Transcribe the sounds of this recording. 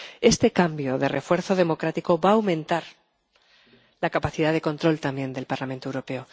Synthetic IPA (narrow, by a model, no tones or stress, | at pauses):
e̞st̪e̞kambjo̞ðe̞rʔe̞fwe̞ɾθo̞ð̞e̞mo̞kɾat̪iko̞βaːwmẽ̞nt̪aɾ | lakapaθiðaðe̞ko̞nt̪ɾo̞lt̪ambje̞nd̪e̞lpaɾlamẽnt̪owɾo̞pe̞o̞